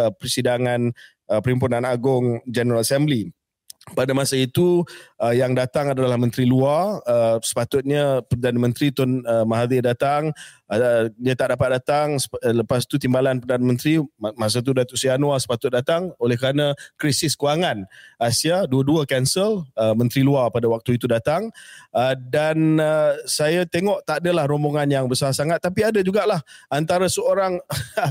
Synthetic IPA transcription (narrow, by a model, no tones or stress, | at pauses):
pɾəsidaŋan | əpəɾimpunãnaɡʊŋd͡ʒɛnəɾalasɛmbli | padamasait̪uəjaŋdat̪aŋadaalahmə̃nt̪ɾiluarəsə̥pat̪ʊt̪̚ɲəpərdanəmə̃nt̪ɾit̪ɔnəmaɦad̪idat̪aŋ | jət̪aʔdapat̪̚dat̪aŋsləpast̪ut̪imbalanpərdanəmə̃nt̪ɾimas̬at̪̬udat̪ʊʔsianwasə̥pat̪ʊt̪̚dat̪aŋolɛhkɾanə̃kɾisɪskuaŋanasiaduəduəkɛnsələmə̃nt̪ɾiluapadawak̚t̪uit̪udat̪aŋədanəsajat̪eŋɔʔt̪adəlahɾomboŋanjaŋbəsasaŋat̪ːapiadəd͡ʒuɡaʔlahant̪aɾəsəoɾaŋ